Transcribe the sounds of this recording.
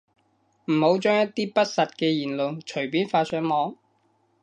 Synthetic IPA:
m̩˨˩ho˨˥wt͡ʃœː˥ŋjɐ˥t̚t̪iː˥pɐ˥t̚sɐ˨t̚kɛː˧jiː˨˩nlo˨wt͡ʃʰɵ˨˩ɥpiː˥nfaː˧sœː˨˥ŋmɔː˨˥ŋ

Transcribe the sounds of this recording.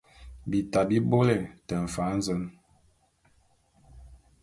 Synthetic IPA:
bi˨ta˨bi˦bo˦lɛ˨tɛ˨ɱ̩˨fa˨˦n̩˦zə˦n

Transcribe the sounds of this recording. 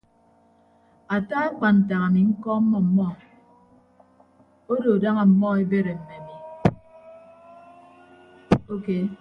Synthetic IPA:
a˨ta˦a˦k͡pa˨n̩˨ta˨ŋa˨mi˨ŋ̩˦kɔ˦m̩˦mɔ˦˨m̩˨mɔ˦ | o˦do˨da˦ŋa˨m̩˨mɔ˦e˦be˦ɾe˨m̩˨me˨a˨mi˨ | o˦ke˦

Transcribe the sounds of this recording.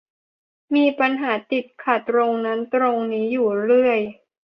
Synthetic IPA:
miː˧pa˧nɦaː˩˦t̪i˨˩t̪̚kʰa˨˩t̪ɾo˧ŋna˦˥nt̪ɾo˧ŋniː˦˥juː˨˩ɾɯ˥˩əj

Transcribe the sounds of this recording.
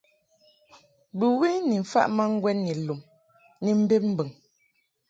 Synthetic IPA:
bɨ˨we˦ni˨ɱ̩˨fa̰˦ʔma˦ŋ̩˦ɡwɛ˦nni˨lu˨m | ni˨m̩˦be˦p̚m̩˦bə˨ŋ

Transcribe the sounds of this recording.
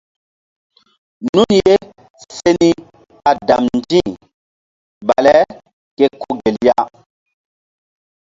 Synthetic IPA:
nu˦nje˦ | se˦ni˦ | ka˨da˨mnd͡ʒĩ˦˨ | ɓa̰˨lɛ˦ | ke˦kʰo˦ɡe˨lja˦

